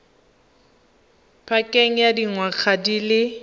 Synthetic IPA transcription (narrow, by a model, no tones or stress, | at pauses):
pʰakʼeŋ̩jadiŋwak͡xʰadilɪ